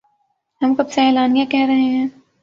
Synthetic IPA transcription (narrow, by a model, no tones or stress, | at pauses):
ɦɐmkɐbseɛːlaːnjakɛɦɾɐɦeɦɛ̃ː